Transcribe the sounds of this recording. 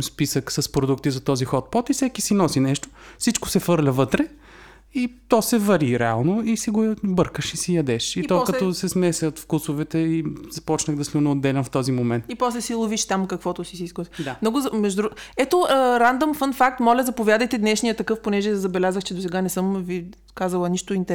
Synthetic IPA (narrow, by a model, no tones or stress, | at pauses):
spisəksɐspɾod̪ukt̪izɐt̪ɔzixɔt̪̚pɔt̪isɛkisinɔsinɛʃt̪o̥sit͡ʃko̥sɛfɤɾlʲɐvɤt̪ɾɛ | it̪ɔsɛvɐɾiɾɛa̰lˠnoisiɡobɤɾkəʃisijɐd̪ɛʃiiɔkɐt̪ɔsɛsmɛsʲət̪fkusovɛt̪ɛizɐpɔt͡ʃnəɣd̪ɐslʲunɛod̪ːɛlʲɛnft̪ɔzimomɛnt̪ipɔslɛsilˠʊviʃt̪amkɐkvɔt̪ʊsisiskɔsd̪anɔɡʊzɐmɛʒd̪d̪ɾɛt̪oəɾand̪omfənfak̚t̪mɔlʲɐzɐpovʲjad̪əjt̪ɛd̪nɛʃnijət̪ɐkɤfponɛʒɛzɐbɛlʲazəxt͡ʃɛd̪osɛɡanɛsɤmvi | kazɐlˠɐniʃt̪oint̪